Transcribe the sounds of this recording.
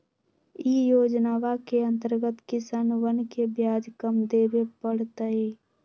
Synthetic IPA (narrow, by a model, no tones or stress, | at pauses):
ijoːd͡ʒnaːʋakeə̃nt̪əɾɡət̪kɪsaːnwənkebjaːd͡ʒkəmd̪eːbepəɽ̤t̪əi